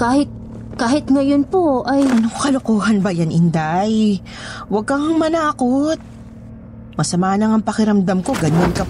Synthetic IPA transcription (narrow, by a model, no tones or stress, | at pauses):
kaːhɪt̪̚ | kaːhɪt̪ŋɐjonpoʔɐjʔɐnokkɐlokoːɦɐnbɐjanʔɪnd̪aj | wɐɡ̚kɐŋmɐnaːkot̪̚ | mɐsɐmaːnɐŋɐŋpɐkɪɾɐmd̪amko̞ɡɐɲankɐ